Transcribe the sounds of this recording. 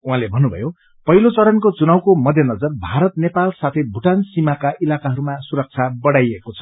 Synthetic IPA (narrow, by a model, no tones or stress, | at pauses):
uɦãlebʱʌnːubʱʌ̰jo | pʌɦilot͡sʌɾʌnkot͡sunawkomʌd̪ʱjʌnʌd͡zʌrbʱaɾʌt̪nepalsat̪ʰebʱuʈansimakaʔilakaɦʌɾumasuɾʌk̚t͡sʰabʌɽajekot͡sʰʌ̥